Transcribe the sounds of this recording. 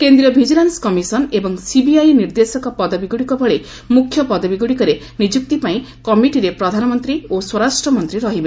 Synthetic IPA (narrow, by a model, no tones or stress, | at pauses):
kend̪ɾiɔbʱid͡ʒilanskɔmisɔnebɔŋsibiajniɾd̪esɔkɔpɔd̪ɔbiɡuɽikɔbʱɔɭe | mukʰjɔpɔd̪ɔbiɡuɽikɔɾe | nid͡ʒuk̚t̪ipaĩkɔmiʈiɾepɾɔd̪ʱanɔmɔnt̪ɾioswɔɾasʈɾɔmɔnt̪ɾiɾɔɦibe